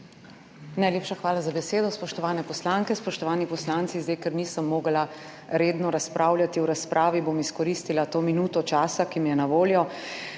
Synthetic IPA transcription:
najleːpʃaxʋaːlazabɛseːd̪ɔspɔʃt̪ɔʋaːnɛpɔslaːŋkɛspɔʃt̪ɔʋaːnipɔslaːntsizd̪ajkɛɾniːsəmːoːɡla | ɾeːd̪nɔɾaspɾʔaːwljat̪iwɾaspɾʔaːʋiboːmiskɔɾist̪ilat̪oːminuːt̪ɔt͡ʃaːsakimijɛnaʋoːljɔ

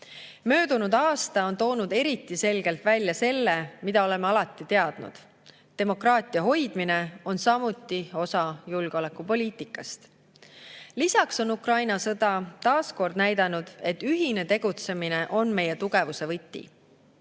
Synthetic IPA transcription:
mø̞ːd̪unud̪̥ɑːst̪ɑo̞nt̪o̞ːnud̪̥e̞ɾit̪ːˑise̞lɡe̞lt̪vælʲːjɑse̞lːe̞mid̪ɑo̞le̞meɑlɑt̪ːˑit̪e̞ɑd̪̥nṵd̪̥ | t̪e̞mo̞krɑːt̪ʲˑiɑɦo̞jd̪̥mine̞o̞nsɑmut̪ːˑio̞sɑjulɡ̥o̞le̞kːˑupo̞lʲiːt̪ˑikːˑɑst̪ | lisɑkso̞nukrɑjnɑsɤd̪̥ɑt̪ɑːsko̞rd̪̥næjd̪ɑnud̪̥e̞t̪ːyɦine̞t̪e̞ɡ̥ut̪se̞mine̞ʔo̞nme̞je̞t̪uɡ̥e̞vuse̞vɤt̪ːḭ

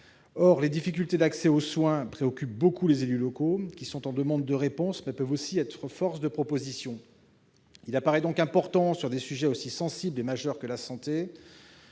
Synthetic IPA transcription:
ɔʁled̪ifik̬ʲylt̪ed̪aksɛoswɛ̃pχeɔkʲyp̚bokulezelylɔkokʲisɔ̃t̪ɑ̃d̪əmɑ̃d̪ːəʁepɔ̃smɛpœvosiɛt̪χəfɔʁsd̪əpχɔpozisjɔ̃ | ilapaʁɛd̪ɔ̃kɛ̃pɔʁt̪ɑ̃syʁd̪esyʒɛosisɑ̃siblemaʒœʁkəlasɑ̃t̪e

